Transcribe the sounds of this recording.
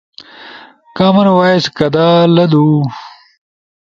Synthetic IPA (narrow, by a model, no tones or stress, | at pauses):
kaːmɐnwaːeskɐd̪aːlɐd̪uː